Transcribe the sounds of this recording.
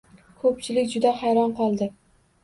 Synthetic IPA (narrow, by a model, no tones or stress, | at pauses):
kʰɵpt͡ʃʰɪlɪkʲd͡ʒʊd̪ahajɾɒnqʰɒlˠd̪ɪ